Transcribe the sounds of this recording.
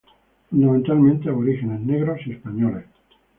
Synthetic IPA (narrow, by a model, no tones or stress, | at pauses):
fund̪amẽnt̪almẽnt̪eaβoɾixene̞zneɣɾosespaɲoles